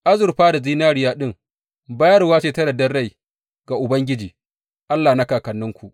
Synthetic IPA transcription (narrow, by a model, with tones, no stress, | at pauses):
ʔa˦zʊ˨rɸaː˦da˨ziː˦naː˦ɾɪ˨jaː˦ɗɪ˦˨ŋ | ba˦jɐ˦rwaː˦t͡ʃeː˨tɐ˦ɽɐ˨dɐ˦rɽa˦˨j | ɡa˨ʔʊ˨bɐ˦ŋɡʲɪ˦d͡ʒiː˨ | ʔa˦lːaː˨na˦kaː˨kɐ˨nːʊ˦ŋkʷu˨ʔ